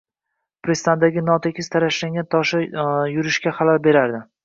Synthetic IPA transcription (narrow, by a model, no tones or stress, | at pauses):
pɾest̪and̪aɡʲɪnɒt̪ʰekʲʰɪst̪ʰaɾaʃlaŋɡʲant̪ʰɒʃajʊɾɪʃkʲaχalalbe̞ɾaɾd̪ɪ